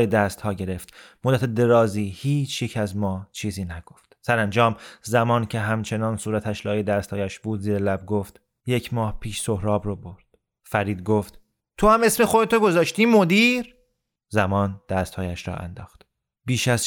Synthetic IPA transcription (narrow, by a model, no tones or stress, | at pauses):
jed̪æst̪hɒːɟe̞ɾe̞ft̪mod̪ːæt̪ʰed̪e̞ɾɒːziːhiːt͡ʃʰjecʰæzmɒːt͡ʃʰiːziːnæɡ̥oft̪sæɾænd͡ʒɒːmzæmɒːncʰe̞ɦæmt͡ʃʰe̞nɒːnsuːɾæt̪ʰæʃlɒːjed̪æːst̪hɒːjæʃb̥uːd̪ziːɾelæb̚ɡoft̪ | je̞cʰmɒːhpʰiːʃsohɾɒːbɾoboɾd̪̥ | fæɾiːd̪̚ɡoft̪ | t̪ʰohæme̞smexo̞d̪et̪ʰoɡo̞zɒːʃt̪iːmod̪iːɾ | zæmɒːnd̪̥æst̪hɒːjæʃɾɒ̰ːʔæ̰nd̪ɒːxt̪ | b̥iːʃæz